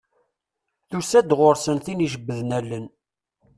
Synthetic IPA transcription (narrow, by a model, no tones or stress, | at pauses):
θusæd̪ʁoɾsənθiniʒəbːəðnælːən